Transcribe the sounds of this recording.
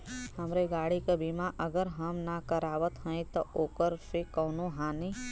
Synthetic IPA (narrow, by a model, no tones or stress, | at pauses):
ɦɐmɾeɡaːɽikabimaʔəɡəɾɦəmnakəɾaːʋət̪ɦɛ̃ĩt̪oʔoːkəɾsekɔːnoɦaːni